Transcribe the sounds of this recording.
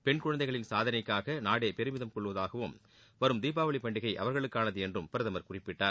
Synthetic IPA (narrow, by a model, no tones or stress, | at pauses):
pɛɳkʊɻɐnd̪ɐɪɣɐɭɪnsaːðɐnɐɪkːaːɣɐnaːɽeːpɛɾɯmɪðɐmkɔɭːɯʋɐðaːɣɐʋɯm | ʋɐɾɯmd̪iːpaːʋɐɭɪpːɐɳɖɪɣɐɪʔɐʋɐɾɣɐɭɯkːaːnɐðɯɛndrɯmpɪɾɯðɐmɐɾkʊrɪpːɪʈːaːɾ